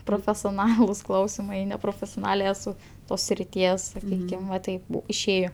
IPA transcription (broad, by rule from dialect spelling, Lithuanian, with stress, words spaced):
proːfʲɛsʲoːˈnɑːlˠʊs ˈklˠɐʊsʲɪmɐɪ nʲɛproːfʲɛsʲoːˈnɑːlʲeː ɛˈsʊ ˈtoːs sʲrʲɪˈtʲiɛs sɐˈkʲiːkʲɪm ʋɐ ˈtɐɪp bʊ ɪʃʲˈeːjoː